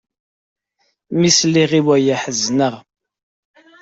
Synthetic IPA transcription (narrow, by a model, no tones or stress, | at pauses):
misliʁiwæjaħəznəʁ